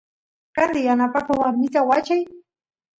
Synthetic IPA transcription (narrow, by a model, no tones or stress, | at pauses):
kand̪ɪjanapakawaɾmɪt̪awat͡ʃaj